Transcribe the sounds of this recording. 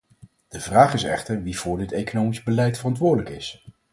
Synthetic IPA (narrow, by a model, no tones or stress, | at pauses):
d̥əvraːχɪsɛ̰χtəɹʋiv̥ʊːɹdɪtejkonowmizbəlɛjtfərɑntʋʊːɹdələkɪs